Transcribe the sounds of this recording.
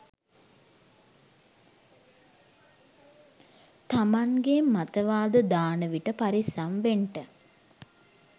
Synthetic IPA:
t̪amaŋɡemːat̪əʋaːd̪əd̪aːnəʋiʈəpaɾisamʋeɳʈə

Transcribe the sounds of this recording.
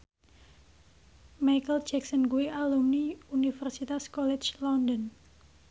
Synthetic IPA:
majkəld̥d͡ʒɛksənkuiʔalumniunifɛrsit̪askɔlɛt͡ʃlɔndɔn

